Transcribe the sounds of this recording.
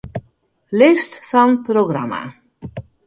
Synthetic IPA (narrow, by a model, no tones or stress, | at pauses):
lɪstfɑnproɡrama̰